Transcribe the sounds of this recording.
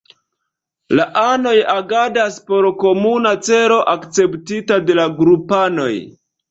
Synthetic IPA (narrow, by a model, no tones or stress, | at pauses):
laʔano̞jaɡadaspo̞ɾko̞munat͡se̞ɾo̞ʔakt͡se̞ptitade̞laɡɾupano̞j